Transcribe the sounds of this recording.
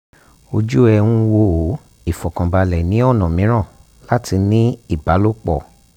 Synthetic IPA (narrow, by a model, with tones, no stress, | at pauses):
o˧d͡ʒu˦ɛ˧ũ˧wo˧o˨˦ | i˦˨fɔ˨kã˨ba˧lɛ˨nĩ˨˦ɔ˦˨nã˨mĩ˨˦ɾ̃ã˦˨ | la˦ti˧nĩ˦i˦˨ba˨˦lo˦k͡pɔ̰˦˨